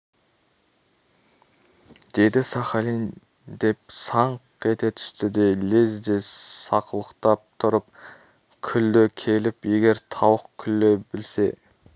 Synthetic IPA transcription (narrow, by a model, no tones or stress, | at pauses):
d̪̥e̞d̪ɪsɑχɑlin | d̪e̞p̚sɑɴqkʲʰet̪e̞t̪ʰʏ̥st̪ɪd̪e̞lezd̪e̞sɑqəlˠəqt̪ɑp̚t̪ʰʊɾəp | kʲʰʏld̪ɪkʲʰe̞lɪpe̞ɡʲe̞ɾt̪ʰɑwəqkʲʰʏlːɪbɪlse̞